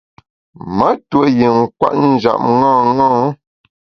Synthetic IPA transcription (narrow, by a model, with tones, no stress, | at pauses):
mə˦twə˨ji˨ŋ̩˨kwa̰˦˨ʔn̩˦d͡ʒa̰˨p̚ŋɔ̃ː˦˨ŋɔ̃ː˦